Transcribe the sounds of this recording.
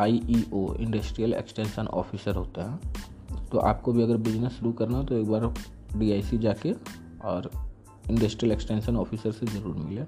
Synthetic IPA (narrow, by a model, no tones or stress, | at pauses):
aːiʔiʔoɪ̰̃ɳɖəsʈɾijəlḛksʈẽːnʃənʔɔ̰ːfʰisəɾɦoːt̪aɦɛː | t̪oʔa̰ːp̚kobʱiɐɡəɾbɪd͡ʒnesʃʊɾukɐɾnat̪oeːkbaːɾ | ɖiːaːɪsid͡ʒaːke | ɔːɾ | ɪ̃ɳɖəsʈɾijəleksʈẽːnʃənɔːfʰisəɾsezɐɾuːɾmɪleː